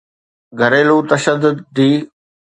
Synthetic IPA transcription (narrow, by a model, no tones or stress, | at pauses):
ɡʱɐɾeːluːt̪ɐʃəd̪ʊd̪̚ːiː